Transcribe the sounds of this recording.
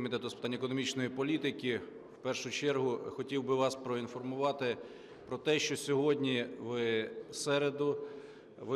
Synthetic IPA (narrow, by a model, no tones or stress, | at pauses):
mʲit̪ɛt̪ʊspɪt̪ɑnʲːɐekɔnɔmʲit͡ʃnɔjipɔlʲit̪ɪkʲi | wpɛrʃʊt͡ʃɛrɦʊxɔtʲiwbɪʋɑspɾɔinfɔrmʊʋɑt̪ɪ | pɾɔt̪ɛʃt͡ʃɔsʲɔɦɔdʲnʲiʋɪsɛɾed̪ʊ | ʋɪ